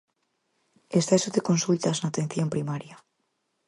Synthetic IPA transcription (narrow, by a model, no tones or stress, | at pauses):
esθesoðeko̞nsult̪aznaːt̪enθjompɾimaɾja